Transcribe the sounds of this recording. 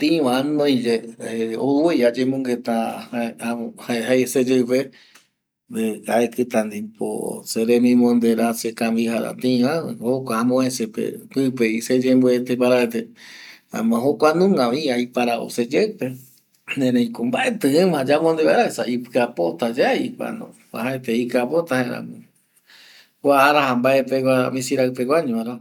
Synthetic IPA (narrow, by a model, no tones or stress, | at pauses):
t̪ĩʋãnõj̃d͡ʒeeowejad͡ʒemõŋɡet̪ahaahaehajsed͡ʒewpe | d̪eaekɨt̪ãnd̪ipo̰seɾemĩmõnd̪eɾasekãmbihaɾa̰t̪ĩβãhokʷaːmõẽsepḛpɨpeised͡ʒembuet̪epaɾaet̪e | a̰mãɦokʷanũŋɡãβĩajpaɾao̰sed͡ʒewpe | nẽɾẽj̃kombaʔet̪ɨɨ̃mãd͡ʒamond̪eβaɾaesaipɨapot̪ad͡ʒaipa̰nõ̰ | a̰haet̪eikapot̪aheɾã̰mɨ̃ | kʷaːɾahambaepeɡʷamĩsiɾawpeɡʷaɲõaɾa